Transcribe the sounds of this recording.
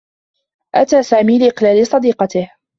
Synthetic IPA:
ʔat̪aːsaːmiːlɪʔɪqlaːlɪsˤɑd̪iːqɑt̪ɪh

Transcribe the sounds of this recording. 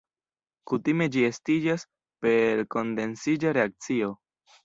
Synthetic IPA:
kutime̞d͡ʒie̞stid͡ʒas | pe̞ɾko̞nde̞nsid͡ʒaɾe̞ak̚t͡sio̞

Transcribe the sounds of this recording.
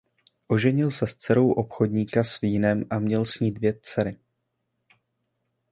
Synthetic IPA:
ʔo̞ʒɛɲɪlsɛst͡sɛɾo̞wʔo̞pxo̞dɲiːkasviːnɛmʔamɲɛlsɲiːd̪vjɛt͡sɛɾɪ

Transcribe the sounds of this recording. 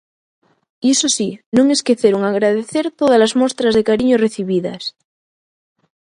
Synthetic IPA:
isosinõŋe̞skeθeɾoŋaɣɾað̞eθeɾt̪oð̞alazmost̪ɾazðekaɾiɲoreθiβiða̰s

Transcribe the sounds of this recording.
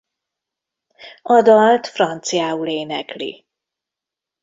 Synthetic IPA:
ɒd̪ɒlt̪frɒnt̪sijaːuleːnɛklḭ

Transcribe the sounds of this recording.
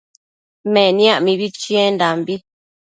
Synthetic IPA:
mɛ̃nj̃ãʔmĩβit͡ʃiendambi

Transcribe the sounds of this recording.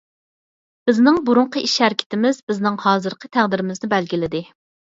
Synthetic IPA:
b̥ɪznɪŋbuɾuɴqʰəiʃhæɾkʲʰɪ̥t̪ɪmɪzbɪznɪŋhɑːzɨɾqʰət̪ʰæʁd̪ɪɾɪmɪznɪbɛlɡʲilɪd̪ɪ

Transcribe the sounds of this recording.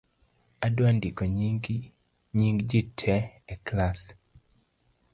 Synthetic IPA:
adwandikɔɲɡ | ɲiŋɡd͡ʒitʰɛɛklas

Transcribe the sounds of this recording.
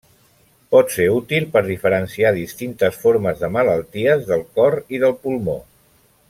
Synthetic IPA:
pɔt̪seut̪ilˠpəɾð̞ifəɾənsiaðist̪int̪əsfoɾməzðəmələlˠt̪iəzðəlˠkɔɾiðəlˠpulˠmo

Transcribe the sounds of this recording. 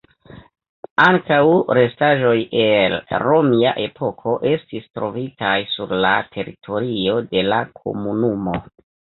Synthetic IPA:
aŋkawɾe̞staʒo̞je̞lɾomia̰ʔe̞pʰo̞kʰo̞ʔe̞stistɾo̞vitajsuɾla̰tʰe̞ɾitʰo̞ɾio̞de̞lakʰo̞̰munumo̞

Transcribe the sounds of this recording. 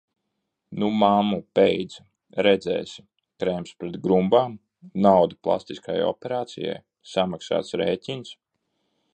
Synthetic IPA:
numamupejd̪z | ɾɛd̪zɛ̰ːsʲ | kɾɛmspɾɛt̪ɡɾumbaːm | nawd̪uplˠa̰st̪iska̰jɔ̰pʲɛɾaːt̪sḭja̰j | samaksa̰ːt̪sɾeːcʲins

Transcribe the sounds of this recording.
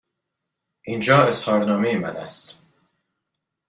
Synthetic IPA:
ʔiːnd͡ʒɒːeshɒːɾnɒːmejemæ̰næ̰st̪

